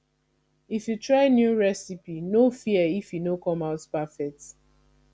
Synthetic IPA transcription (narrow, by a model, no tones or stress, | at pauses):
ifjutɹaɪnjuɹɛsipinofiɛifjunokɔ̃maʊtpafɛk̚t